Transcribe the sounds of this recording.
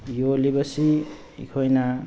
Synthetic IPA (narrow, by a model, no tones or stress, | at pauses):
jolibʌsi | ḭkʰojna